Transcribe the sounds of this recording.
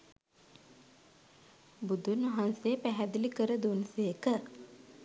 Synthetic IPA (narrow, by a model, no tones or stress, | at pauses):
bud̪unʋɐɦansejəpæɦæd̪ilikəɾəd̪unsejːkə